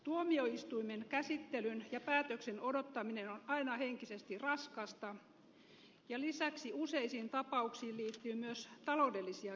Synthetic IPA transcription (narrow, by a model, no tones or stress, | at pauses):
t̪uomioist̪uimenkæsit̪ːelynjɑpæːt̪øksenodot̪ːɑminenonɑinɑheŋkisest̪irɑskɑst̪ɑ | jɑlisæksiuseisiːnt̪ɑpɑuksiːlliːt̪ːyːmyøst̪ɑloˑdelːisiɑ